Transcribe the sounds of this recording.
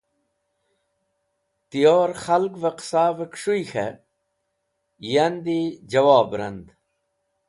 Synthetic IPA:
t̪ijoːɾxɐlɡvɐqsaːvəkʂujxḛ | jɐnd̪id͡ʑɐwaːbɾɐ̰nd̪

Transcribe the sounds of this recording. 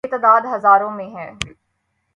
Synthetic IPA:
t̪əd̪aːd̪ɦɐzaːɾõmẽɦɛ̃ː

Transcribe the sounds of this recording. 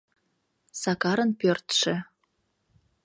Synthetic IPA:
sɑkɑɾənpørt̪ʃĕ

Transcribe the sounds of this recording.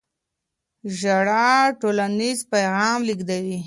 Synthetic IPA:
ʒaɽaʈolanizpajɣɑmliɡd̪awi

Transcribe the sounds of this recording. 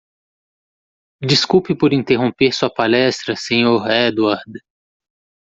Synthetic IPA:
d͡ʒiskuwpɪpoɾĩnt̪eɦõpeɾsuɐpalɛst̪ɾɐsẽɲoɾɛd̪uaɾd̪

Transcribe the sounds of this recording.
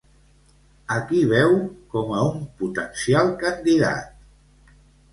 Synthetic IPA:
əkiβ̞ɛwkɔməumput̪ənsialˠkənd̪iða̰t̪̚

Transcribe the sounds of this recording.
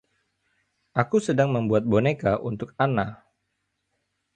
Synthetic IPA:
ʔakusədaŋməmbuat̪̚bonekaʔunt̪ʊkana

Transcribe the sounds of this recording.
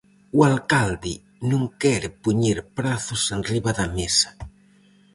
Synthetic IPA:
ualkald̪ɪ | nũŋkɛɾpuɲiɾpɾaθʊsenriβaðɐmesḁ

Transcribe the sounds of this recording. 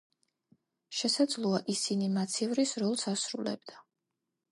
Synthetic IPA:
ʃɛsad̪zlˠuaʔisinimat̪sʰivɾisɾɔlˠsasɾṵlɛ̰bd̪̥a

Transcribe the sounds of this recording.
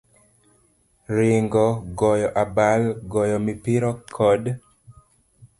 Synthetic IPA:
ɾɪŋɡɔɡɔjɔʔabalɡɔjɔmipɪɾɔkʰːɔd

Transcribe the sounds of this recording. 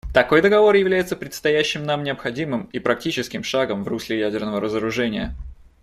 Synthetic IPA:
t̪ɐko̞jd̪əɡɐvo̞rjɪvlʲæjɪt̪səpɾʲɪt̪st̪ɐjæɕːɪmnamnʲɪɐpxɐdʲimɨmipɾɐk̚tʲit͡ɕɪskʲɪmʂaɡəmvruslʲɪjædʲɪrnəvəɾəzəɾʊʐɛnʲɪjə

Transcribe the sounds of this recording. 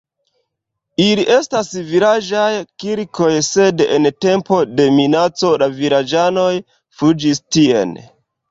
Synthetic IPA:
iliʔe̞stasviɾad͡ʒajkiɾko̞jse̞dente̞mpo̞de̞minat͡so̞laviɾad͡ʒano̞j | fud͡ʒistie̞̰n

